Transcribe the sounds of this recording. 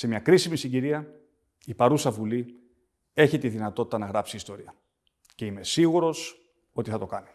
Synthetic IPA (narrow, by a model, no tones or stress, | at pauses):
semɲɐkɾisimisiɲɟiɾiɐ | ipɐɾusɐvuli | e̞çit̪iðinɐt̪o̞t̪i̥t̪ɐnɐɣɾɐpsiːst̪o̞ɾiɐ | ce̞ime̞siɣuɾo̞s | o̞t̪iθɐt̪o̞kɐni